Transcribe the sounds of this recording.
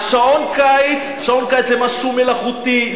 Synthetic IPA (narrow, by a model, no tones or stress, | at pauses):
aʃaonkajet͡saʃaonkajt͡szɛmaʃumelaχut̪i